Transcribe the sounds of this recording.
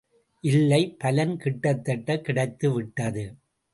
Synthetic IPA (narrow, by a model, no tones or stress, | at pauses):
ʔɪlːɐɪpɐlɐnkɪʈːɐt̪ːɐʈːɐkɪɽɐɪt̪ːɯʋɪʈːɐðɯ